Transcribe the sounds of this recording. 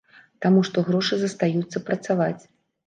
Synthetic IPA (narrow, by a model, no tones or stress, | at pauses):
t̪amuʂt̪ɔɣɾɔʂɨzɐst̪ajut̪sːɐpɾɐt̪savat͡sʲ